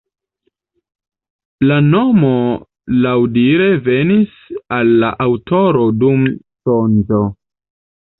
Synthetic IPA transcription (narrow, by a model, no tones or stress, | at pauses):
lano̞mo̞ | lawdiɾe̞ve̞nis | alːaʔawtʰo̞ɾo̞dum | sonzo̞